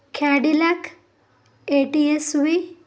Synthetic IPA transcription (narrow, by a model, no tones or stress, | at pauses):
kʰaɖilakʰ | eʈiesʋi